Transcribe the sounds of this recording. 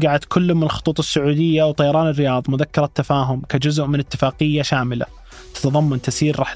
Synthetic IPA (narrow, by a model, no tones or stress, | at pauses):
ɡaʕad̪kʰʊlːʊmɪnlxʊ̥t̪ˤuːt̪ˤɪsːʊʕuːd̪ɪjːawt̪ˤɑjɑɾˤɑːnɪrːɪjɑːðˤmʊðakːɑɾˤɑt̪ːafaːɦʊmkad͡ʒʊzʊʔmɪnɪt̪ːɪfaːqɪjːaʃaːmɪla̰ | t̪ḁt̪ɑðˤɑmːɑnt̪asiːɾɾɑːħ